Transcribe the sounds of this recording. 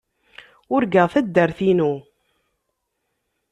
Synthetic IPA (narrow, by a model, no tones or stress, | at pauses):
ʊɾɡəʁθæd̪ːəɾθinu